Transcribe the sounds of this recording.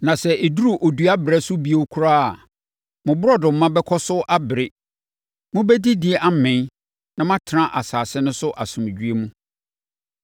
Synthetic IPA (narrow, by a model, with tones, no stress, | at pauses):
nã˨sɛ˨e˨du˦ɾu˦ʔo˨du˨˦a˦bɾɛ˦sʊ˦bi˦e˦kʰu˦ɾaː˦a˨ | mʊ̃˨bʊ˦ɾɔ˦dʊ̃˨m̩˦mːã˦bɛ˦kʰɔ˦sʊ˦ʔa˦bɪ˨ɾɪ˦ | mʊ̃˦bɛ˦di˦dɪ˨ɛ˨ʔa˦mɪ̃˦ | nã˦mã˦tʰɪ˨ɾã˦ʔa˨saː˨sɪ˦nʊ̃˦sʊ˦ʔa˨sʊ̃˨m̃˨d͡ʑᶣɥe˦mũ˦